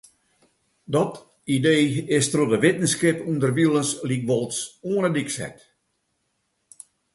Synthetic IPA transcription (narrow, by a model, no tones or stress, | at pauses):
dɔt | ideːɪstrodəʋɪtn̩skɪpundərʋilˠəslik̚bɔlˠsuənədiksɛ̰t